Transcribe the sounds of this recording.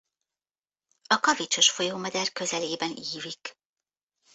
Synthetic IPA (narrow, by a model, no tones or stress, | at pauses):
ɒkɒvit͡ʃo̞ʃfo̞joːmɛd̪ɛrkø̞zɛleːbɛniːvik